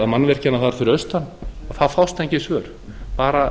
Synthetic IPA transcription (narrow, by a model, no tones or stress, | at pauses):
aðmanːvɛr̥canaθaðɾfɪɾɪœst̪anːaθaðfawst̪ẽɲcɪsvœːɾ̥ | paːɾa